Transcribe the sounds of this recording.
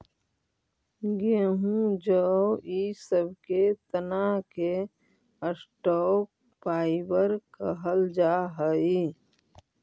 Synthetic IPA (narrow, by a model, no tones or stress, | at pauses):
ɡeɦũd͡ʒəisəbʱket̪ənake | əsʈɔːk̚ | paːɪbəɾkəɦəld͡ʒaːɦəi